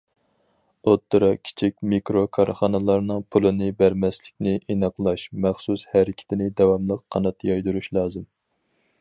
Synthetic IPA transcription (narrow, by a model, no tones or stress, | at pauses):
ot̪ːɨɾɑkʲʰi̥t͡ʃʰikʲmikɾokʰɑɾχɑnɨlˠɑɾnɨŋpʰulˠɨnɨbæɾmɛslɪkʲnɪʔenɑqlˠɑʃmæχsushæɾɪkʲʰɪ̥t̪ʰɪnɪd̪ɛwɑmlˠəqqʰːɑnɑt̪ʰːjɑjd̪uɾuʃlˠɑːzɨm